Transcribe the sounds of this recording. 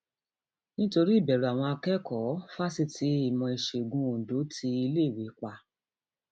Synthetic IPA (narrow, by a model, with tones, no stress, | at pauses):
nĩ˦to˧ɾi˦i˦˨bɛ˨ɾu˨a˨w̃ɔ̃˧a˧kɛ˦kɔ˨˦fa˦si˦tʰi˨˦i˦˨mɔ̃˧i˨ʃe˨ɡũ˨˦õ˨do˨˦tʰi˧˦i˧leː˦˨we˨˦k͡pa˧